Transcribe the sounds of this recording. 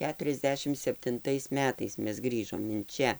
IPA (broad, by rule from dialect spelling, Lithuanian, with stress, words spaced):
ˈkʲæːtʊrʲɛzʲˌdʲæːʃʲɪm sʲɛpʲtʲɪnˈtɐɪs ˈmʲæːtɐɪs ˈmʲɛs ˈɡrʲiːʒoːm ɪn ˈt͡ʃʲɛ